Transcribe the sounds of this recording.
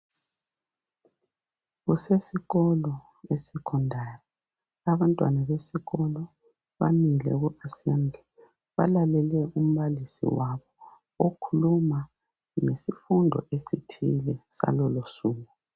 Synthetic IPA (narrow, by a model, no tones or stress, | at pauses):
ɣusesiɣɔlɔ | esɛkʰɔndʱari | aβantʼwanaβesiɣɔlɔ | βamilɛ̰ɣuʔasembʱɛ | βalalɛlɛum̩βalisḭwaβɔ | okʰuluma | ŋesifundʱɔ̰ʔesitʰilɛsa̰lɔlosuːŋu